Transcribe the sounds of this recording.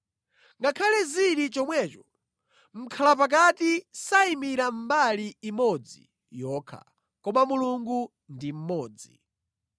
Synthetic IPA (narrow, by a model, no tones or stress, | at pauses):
ŋɡakʰalɛziɾit͡ʃɔmwɛːt͡ʃɔ̥ | m̩kʰalap̬ak̬atisaimiɾam̩baliːmɔd͡zḭ | jɔːkʰa̰ | kɔmamuluŋɡu | ndim̩mɔːd͡zḭ